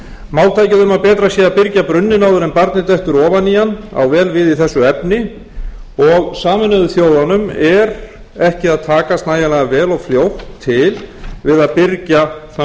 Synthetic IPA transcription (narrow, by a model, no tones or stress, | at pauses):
maːwlt̪ʰaːjcɪðʏmapɛːt̪ɾasjiːðaðpɪɾcapɾʏnːɪnaːwðʏɾɛnpaɾt̪nɪt̪ɛjht̪ʏɾɔːvanijana̰wvɛːlvɪðiθɛsːʏɛpnɪ | ɔɣsaːmɪnʏðʏθjoːwðanʏmɛɾ | ɛhcɪaðt̪ʰaːkast̪naːjalɛɣavɛːlɔɣfljowht̪ʰːɪlvɪðaðpɪɾcaθa